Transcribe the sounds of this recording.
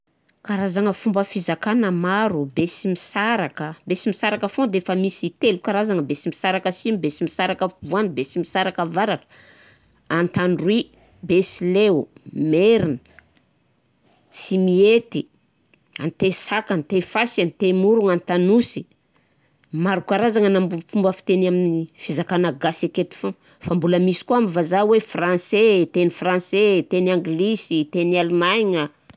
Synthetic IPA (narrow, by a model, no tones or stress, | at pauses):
kaɾazaŋəfumbəfizakanəmaɾubesimisaɾakəbesimisaɾakəfod̪eefəmisit̪elukaɾazaŋəbesimisaɾakəsinibesimisaɾakəvuanibesimisaɾakəvaɾaʈ͡ʂə̥ | ant̪aɳɖ͡ʐwi | besilemeɾinə̥ | simiet̪i | ant̪esakant̪efasant̪emuɾuŋant̪anusi̥ | maɾukaɾazaŋənambufumbafi̥t̪enaminifizakanəɡaseket̪i̥fo | fambuləmisi̥kuamivazawefrãnset̪enifrãnset̪enaŋɡlisit̪enialumajŋə